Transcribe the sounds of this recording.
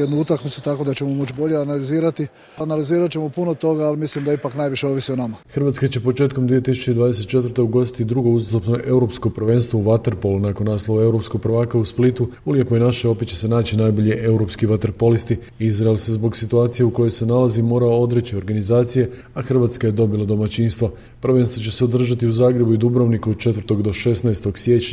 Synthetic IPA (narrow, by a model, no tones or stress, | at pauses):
jed̪nuut̪akmit̪ut̪ako̞d̪at͡ɕemomot͡ʃbo̞ʎeanaliziːɾat̪i | analiziːɾat̪t͡ɕemo̞punot̪o̞ɡaːlimislimd̪aipaknajʋiʃeo̞ʋisionamaxrʋat̪skat͡ɕe̞po̞t͡ʃe̞ːt̪ko̞md̪ʋijet̪isu̥t͡ɕe̞id̪ʋaːd̪ese̞t̪̚t͡ʃe̞t̪vəɾ̩t̪e̞uɡo̞st̪i̥t̪id̪ɾuɡo̞uzost̪opno̞ʔe̞uɾo̞psko̞pr̩ʋe̞nst̪ʋouʋat̪e̞ɾpolˠunakonːaːslˠoʋae̞uɾo̞psko̞ɡ̚pɾʋaːkausplit̪uuljekojenaʃeo̞pet͡ɕe̞se̞naːt͡ɕinajbo̞ʎeʔe̞uɾo̞ːpskiʋat̪ɾpo̞list̪i | izɾaelse̞zbo̞ɡsit̪uaːt̪sijeuko̞jojse̞nalazimo̞ːɾaod̪ɾet͡ɕio̞ɾɡanizaːt̪sije̞ | axr̩ʋat̪skaje̞d̪o̞bilˠad̪o̞mat͡ɕiːnst̪ʋa | prʋe̞nst̪ʋot͡ɕe̞se̞od̪r̩ʒat̪iuzaːɡɾe̞buid̪ubɾoʋnikuod̪̚t͡ʃe̞t̪vəɾt̪o̞ɡd̪o̞ʃe̞snaest̪o̞ɡsjet͡ɕɲa